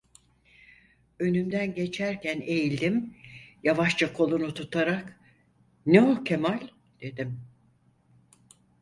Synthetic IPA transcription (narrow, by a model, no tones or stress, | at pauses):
ø̞nymd̪ænɟe̞t͡ʃʰæɾcʰæne̞jilʲd̪imjavaʃt͡ʃakʰo̞lˠunut̪ʰut̪ʰaɾak | nɛocʰemalʲ | d̪̥e̞d̪im